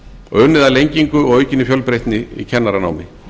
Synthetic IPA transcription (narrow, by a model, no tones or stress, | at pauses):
œnɪðalejɲciŋkʏɔɣœːɥcɪnːɪfjœlpɾejht̪nɪḭcʰɛnːaɾana̰ːwmɪ